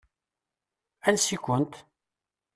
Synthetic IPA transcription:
ænsikʷənt̪

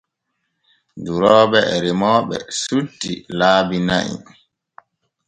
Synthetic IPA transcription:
duɾɔːbɛɛɾimɔːɓɛ̰sutːilaːbina̰ʔḭ

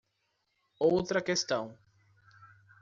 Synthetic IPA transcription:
owt̪ɾɐkest̪ɐ̃w̃

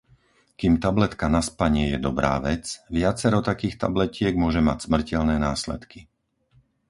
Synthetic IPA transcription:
kimt̪ablɛt̪kanaspaɲɪɛjɛd̪ɔbɾa̰ːʋɛt͡sʋɪat͡sɛɾɔt̪akiːxt̪a̰blɛcɪɛɡmʊɔʒɛmacsmr̩cɛlnɛːnaːslɛ̰t̪ki

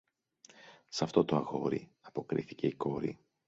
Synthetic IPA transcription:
sɐft̪o̞t̪oɐɣo̞ɾḭɐpo̞kɾḭθice̞iko̞ɾi

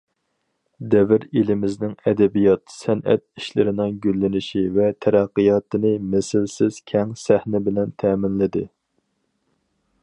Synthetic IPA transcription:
d̪ɛvɪɾilɪmɪznɪŋɛd̪ɛbijɑt̪sɛnɛ̰t̪̚iʃlɪ̰ɾɪnɪŋɡʲylːɪnɪʃivɛt̪ʰæɾæqːɨjɑt̪ɨnɨmɪsɪlsɪz̥kʲʰɛŋsæhnɪbɪlɛnt̪ʰɛːmɪnlɪd̪ɪ

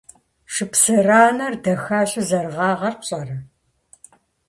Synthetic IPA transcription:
ʂɨpsɨraːnɐrdɐxaːɕʼɪzɐrʁɑːʁɐrpɕʼɐrɐ

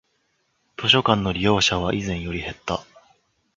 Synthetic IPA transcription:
t̪o̞ɕ̬o̞kãnːo̞ɾʲijo̞ːɕaβ̞aʔizẽ̞ɰ̃jo̞ɾʲihe̞t̪ːa

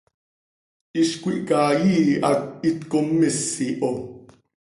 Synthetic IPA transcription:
ʔiʃkʷiʔkaːjiːa̰it̪komːɛsiʔo

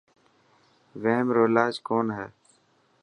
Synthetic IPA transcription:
ʋeɦmɾoːlaːd͡ʒkoːnɦɛː

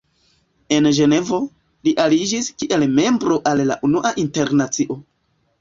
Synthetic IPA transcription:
e̞nʒe̞ne̞vo̞ | liʔalid͡ʒiskiʔe̞lme̞mbɾo̞ʔalːa̰ʔunuʔaʔinte̞ɾnat͡siʔo̞

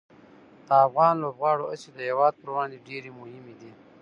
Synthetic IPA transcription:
d̪̥əafɣɑːnlobɣɑːɽoased̪əhewɑːd̪̚pəɾwɑnd̪eɖeɾemʊhɪmed̪i

